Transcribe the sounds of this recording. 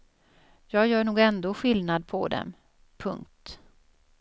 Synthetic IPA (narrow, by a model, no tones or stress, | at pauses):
jɑːɡjœːɳuːɡɛnd̪oːɧɪlnad̪̚pʰɔ̰d̪ɛ̰m | pʰɵ̰ŋk̚t̪